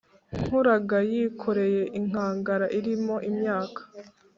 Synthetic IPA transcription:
ŋ̥huɾaɡajikʰo̞ɾe̞je̞ʔiŋ̥aːŋɡaɾaʔiɾimo̞ʔimɲaːkʰḁ

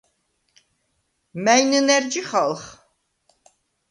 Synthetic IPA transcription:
mɛjnɨnɛɾd͡ʒiχalˠχ

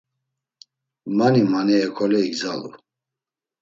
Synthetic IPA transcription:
manimanɛːkʰɔlɛiɡd͡zalṵ

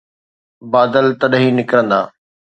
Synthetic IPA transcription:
baːd̪əlt̪ɐɗɦinɪkɾə̃nd̪aː

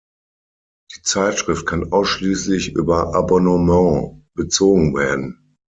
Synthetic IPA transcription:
d̥iːt͡saɪtʃʁ̥ɪft̚kʰanʔaʊsʃliːslɪçʔy̰ːbɐʔabɔnəmɑ̃ːb̥ət͡soːɡŋ̩veːɐdn̩

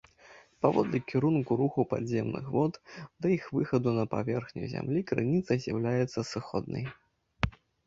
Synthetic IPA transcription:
pavɔ̰d̪lʲikʲiɾunkuɾuxupa̰d̪zʲemnɨ̰xvɔt̪d̪ɐjixvɨxɐd̪unɐpa̰vʲɛrxnʲṵjzʲa̰mlʲikɾɨnʲit̪sɐzʲjawlʲajɛt̪sːɐsɨxɔd̪̚nɐ̰j

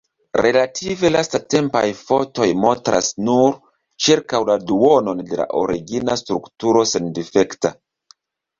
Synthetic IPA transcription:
ɾe̞latʰive̞lastate̞mpajfo̞to̞jmontɾʔa̰snuɾ | t͡ʃiɾkawladuo̞no̞nde̞la̰ʔo̞ɾiɡinastɾuktuɾo̞se̞ndife̞kta

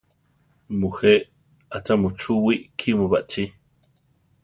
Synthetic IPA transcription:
muheʔ | atamut͡ʃuwiʔkʰimuβaʔtʰi

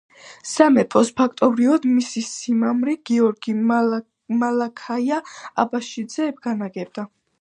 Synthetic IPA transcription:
samɛpʰʼɔspʰakʰt̪ʼɔbɾivɔd̪misisimamɾiɡ̥iɔɾɡi | malakʰaiaa̰baʃid̪zɛːbɡ̥anaɡɛb̚d̪a

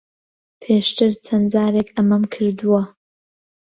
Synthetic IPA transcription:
pʰeːʃt̪ʰɨɾt͡sʰɐnd͡zaːɾekʰɐmɐmkʰɨɾd̪uwɐ

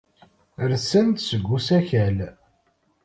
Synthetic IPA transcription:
əɾsənt̪səɡʷːusæçæl

